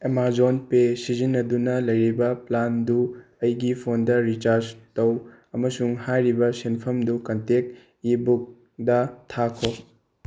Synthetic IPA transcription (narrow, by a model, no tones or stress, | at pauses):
emaɾzonpesizinːɐdunɐlɐjɾibɐplandu | ɐjɡipʰondɐɾit͡ʃaɾd͡ʒtɐw | ɐmɐsuŋhajɾibɐsenpʰɐmdukɐntek̚ | ibuk̚ | dɐtʰakʰo